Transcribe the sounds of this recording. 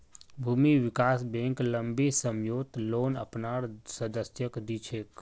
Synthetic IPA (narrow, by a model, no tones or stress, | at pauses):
bʱuːmiʋɪkaːsbẽːŋkləmbisəmjoːt̪loːnə̰pnaːɾsəd̪əsjəkd̪it͡ʃʰeːk